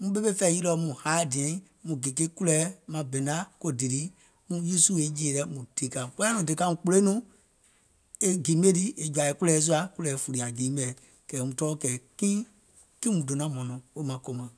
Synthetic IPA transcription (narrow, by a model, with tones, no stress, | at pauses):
mũ˧˦ɓe˦be˦fɛ˧˨ji˦lɔ˧˦mũ˨haː˨˦˨dĩ˨ɛ̃˦ | mũ˨ɡe˨ke˦ku˦lɛː˨˦mã˧bɛ̃˨na˦ko˦di˨ɾi˨˦ | mũ˧˦ji˦su˦e˨˦d͡ʒeː˨ɾɛ˧˦mũ˨te˨˦kã˨k͡pɛ˦a˦nũ˨dɨ˨ka˧mũ˨k͡po˧le˦nũ˦ | e˦ɡi˨˦me˦ti˦e˨d͡ʒwa˨i˨ku˦ɛː˨˦s̬u˦a˨ku˦lɛː˨˦fu˨ɾi˨a˨ɡĩː˨˦bɛ˨ | kɛː˨˦mũ˨tɔː˦kɛː˨kĩː˦ | kĩ˦mũ˨do˨nã˨˦mɔ̃˨nɔ̃˨o˦mã˨˦ko˨mã˨